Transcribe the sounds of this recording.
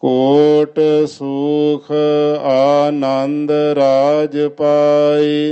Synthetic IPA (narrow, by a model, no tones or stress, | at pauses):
koːʈsuːkʰaːnənd̪ɾaːd͡ʒəpaːi